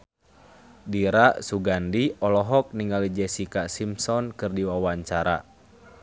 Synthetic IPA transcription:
diɾaʔsuɡandiɔlɔɦɔk̚niŋɡalid͡ʒɛsikasimsɔnkɨrdiwawaɲt͡ʃaɾa̰

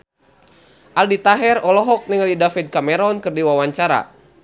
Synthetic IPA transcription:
ʔaldit̪aɦɛrɔlɔɦɔk̚niŋalidafid̪̚kamɛɾɔnkɨrdiwawaɲt͡ʃaɾa̰

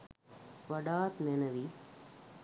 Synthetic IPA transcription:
ʋɐɖaːt̪menɐʋiː

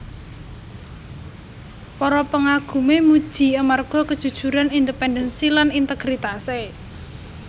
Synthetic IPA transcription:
pɔɾɔpəŋaɡ̥ṳmemud̥ʒ̥i̤amarɡ̥ɔ̤kəd̥ʒ̥ṳd̥ʒ̥ṳɾanind̪əpɛndənsilanint̪əɡ̥ɾit̪ase

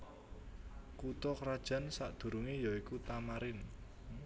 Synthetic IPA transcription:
kut̪ɔkɾad̥ʒ̥a̤nsaʔd̪̥ṳɾuŋijɔikut̪amaɾɪn

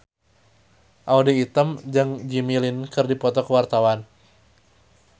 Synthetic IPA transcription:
ʔaudiit̪əmd͡ʒɨŋd͡ʒimilinkɨrdipɔt̪ɔkəwart̪awan

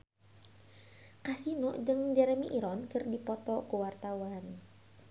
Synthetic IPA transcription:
kasinɔʔd͡ʒɨŋd͡ʒɛɾɛmiʔiɾɔnkɨrdipɔt̪ɔkuwart̪awan

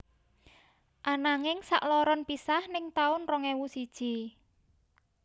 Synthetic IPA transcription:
ʔanaŋɪŋsa̰ʔlɔɾɔnpisahnɪŋt̪aʊnrɔŋɛwusid̥ʒ̥i

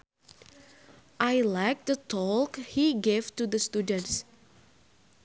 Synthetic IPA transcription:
ʔajlajk̚d̪ətʰɔkhiɡevtud̪əst̪udə̃nts

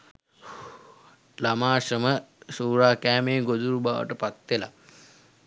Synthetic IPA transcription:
lamaːʃəməsuːɾaːkæːmeːɡod̪uɾubaːʋə̰ʈəpat̪ʋela̰

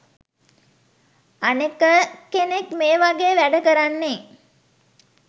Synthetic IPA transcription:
anekəkenekmeːʋaɡeːʋæɖəkəɾanːe

